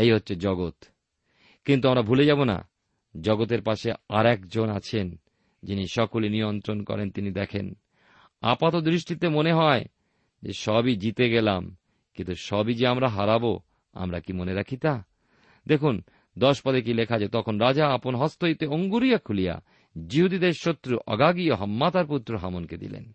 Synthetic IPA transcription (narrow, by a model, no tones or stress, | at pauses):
ejɦotːɕʰed͡ʑɔɡot̪ | kint̪uamɾabʱuled͡ʑabona̰ | d͡ʑɔɡot̪̬eɾpaʃeaɾɛkd͡ʑonat͡ɕʰen | d͡ʑiniʃɔkolinijont̪ɾonkɔ̰ɾent̪inid̪ɛkʰḛn | a̰pat̪od̪ɾiʃʈit̪emoneɦɔe | d͡ʑḛʃɔbid͡ʑit̪eɡelam | kĩnt̪uʃɔbid͡ʑeamɾaɦaɾabo | a̰mɾa̰kimoneɾakʰit̪a | d̪ekʰun | d̪ɔʃpad̪ek̬ilekʰad͡ʑet̪ɔkʰonɾad͡ʑaaponɦɔst̪oit̪eoŋɡuɾijakʰulija̰ | d͡ʑiɦud̪id̪eɾʃot̪ːɾuʔɔ̰ɡaɡioɦɔmːat̪aɾput̪ːɾoɦamonked̪ḭlḛn